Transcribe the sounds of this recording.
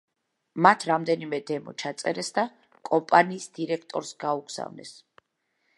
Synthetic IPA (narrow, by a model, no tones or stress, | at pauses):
mat̪ʰɾamd̪ɛnimɛd̪ɛmɔ̰t͡ʃʰat̪sʼɛɾɛsd̪a | kʼɔmpʼaniːsd̪iɾɛk̚ʰt̪ʼɔɾsɡauɡz̥a̰vnɛ̰s